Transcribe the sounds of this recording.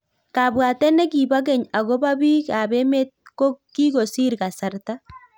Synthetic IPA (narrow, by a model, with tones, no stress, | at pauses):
ka˨bwa˨t̪ɛ˦nɛ˦ki˨ba˦k̬ɛ˨ɲa˨ɣo˦ba˦bi˦ka˨bɛ˦me˦t̪̚ko˦ki˦ɣo˨si˦ɾka˨sa˦ɾt̪a˦